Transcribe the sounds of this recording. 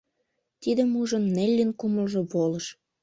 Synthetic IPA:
t̪id̪ə̆muʒənːelʲːinkumə̆lʒoβolə̆ʃ

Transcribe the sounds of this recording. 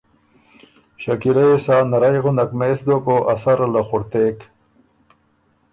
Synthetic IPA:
ɕakiɾesaːnaɾajɣunakmesd̪okoʔasaɾlaxʊɾt̪eːk

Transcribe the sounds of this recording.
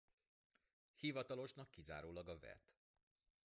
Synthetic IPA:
hivɒt̪ɒlo̞ʃnɒkːiza̰ːɾoːlɒɡɒvɛ̰t̪

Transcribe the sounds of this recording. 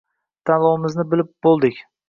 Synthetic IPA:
t̪ʰanlˠɒwɪmɪznɪbɪlɪp̚bolˠd̪ɪkʲ

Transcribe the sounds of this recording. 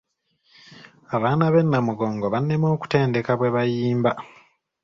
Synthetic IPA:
aβaːnaβe̞nːamuɡo̞ːŋɡo̞βanːemo̞ːku̥te̞ːnde̞kaβweβajiːmba

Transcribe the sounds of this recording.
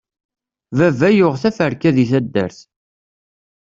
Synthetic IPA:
vævæjʊʁθæfəɾkːæðiθæd̪ːæ̰ɾθ

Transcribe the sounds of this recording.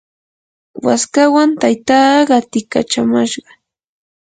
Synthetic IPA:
wa̰skawant̪ajt̪ɑːɢɑt̪ɪka̰t͡ʃamaʃɢɑ

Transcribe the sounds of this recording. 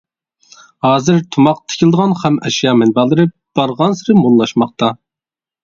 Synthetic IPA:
hɑːzɨɾt̪ʰumɑq̚t̪ʰɪ̥kʲʰɪlˠɨd̪əʁɑnχɛmɛʃjɑːmɛnbɑlˠɨɾɨ | b̥ɑɾʁɑnsɨɾɪmonlˠɑʃmɑχ̚t̪ɑ

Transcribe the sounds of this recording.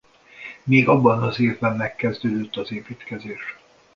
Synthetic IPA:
meːɡɒbːɒnɒzeːvbɛmːɛkːɛzd̪øːd̪øt̪ːɒzeːpiːt̪kɛzeːʃ

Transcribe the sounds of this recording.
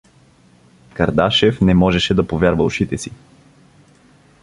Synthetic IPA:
kɐɾd̪aʃɛfnɛmɔʒɛʃɛd̪ɐpovʲjaɾvəlˠʊʃit̪ɛsi

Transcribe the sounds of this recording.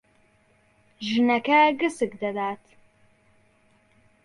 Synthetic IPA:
ʒɨnɐkʰaːɡɨsɨɡd̪ɐdaːtʰ

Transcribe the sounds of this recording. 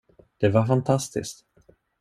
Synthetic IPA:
d̪̥ɛvaɾfant̪ʰast̪ɪ̰skt̪

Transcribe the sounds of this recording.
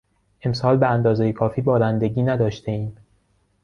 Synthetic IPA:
ʔe̞msɒːlbeænd̪ɒːzejekʰɒːfiːbɒːɾænd̪e̞ɟiːnæd̪ɒːʃt̪ʰeiːm

